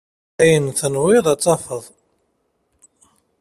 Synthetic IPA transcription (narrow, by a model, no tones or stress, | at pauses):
æjənθənwɪðˤɑt͡sˤːɑfəðˤ